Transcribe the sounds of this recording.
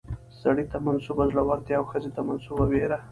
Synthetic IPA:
saɽit̪amansubazlawaɾt̪jaːwxəzet̪amansubabeɾa

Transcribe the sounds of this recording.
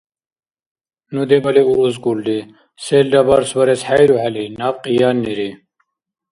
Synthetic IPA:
nud̪ebɐliuɾuzkuld̪i | seːlɖɐbaɾswɐɾesħajɾuhalinaːfqijaːnːiɾi

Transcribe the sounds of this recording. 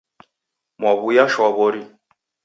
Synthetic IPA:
mwaβujaʃɔβɔɾi

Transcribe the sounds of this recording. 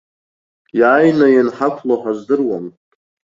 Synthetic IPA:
jaːjnajanħakʷʰloħazdɨrwam

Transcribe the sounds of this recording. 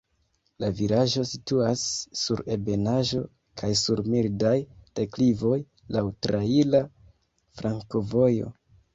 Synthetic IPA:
laviɾaʒo̞situasːuɾe̞be̞naʒo̞ | kʰajsuɾmildajteklivo̞j | lawtɾaila | fɾaŋko̞vo̞jo̞̰

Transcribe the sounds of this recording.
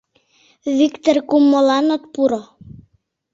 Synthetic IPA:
βikt̪orkumːolɑnot̪puɾo

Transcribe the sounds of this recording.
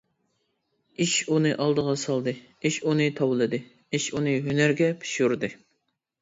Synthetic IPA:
iʃunɨʔɑlˠd̪əʁɑsɑlˠd̪ɨ | iʃunɨt̪ʰɑwlˠɨd̪ɨ | iʃunɨɦynæɾɡʲɛpʰi̥ʃuɾd̪ɨ

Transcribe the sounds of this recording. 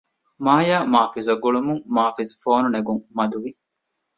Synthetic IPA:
maːjaːmaːfizɐɡuɭumuŋmaːfizfoːnuneɡuŋmɐd̪uʋi

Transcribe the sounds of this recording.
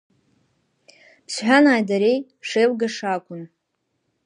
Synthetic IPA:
pʰsħᶣanaːjdaɾe̞j | ʂejwɡaʂakʷʰʼʊn

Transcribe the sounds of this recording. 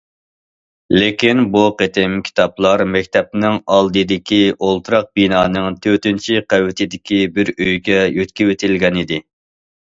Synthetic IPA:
lekʲinbuqet̪ʰɪmkʲʰi̥t̪ʰɑplˠɑɾmɛk̚ʲt̪ɛp̚nɪŋɑlˠd̪ɨd̪ɪkʲiolˠt̪ʰɾɑq̚binɑːnɨŋt̪ʰøt̪ynt͡ʃʰiqæwɪt̪ʰɪd̪ɪkʲibɪɾøjɡʲɛjøt̪kʲiwet̪ʰɪlɡʲɛnɪd̪ɪ

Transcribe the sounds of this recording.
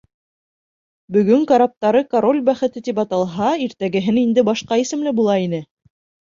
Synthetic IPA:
bɵ̆ɡɵŋkɐɾap̚t̪ɑɾɤkaɾo̞lʲbæχɘ̆t̪ɘt̪ipɑt̪ɑlˠɦɑiɾt̪æɡɘ̆ɦɘnind̪ɘbɑʃqɑisɘ̆mlɘbulˠɑin̪ɘ

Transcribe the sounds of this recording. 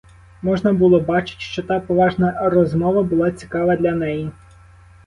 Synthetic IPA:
mɔʒnɐbulˠɔbɑt͡ʃɪ̥t̪ʲʃt͡ʃɔt̪ɑpɔʋɑʒnɐrɔzmɔʋɐbʊlˠɑt͡sʲi̥kɑʋɐd̪lʲɐnɛji

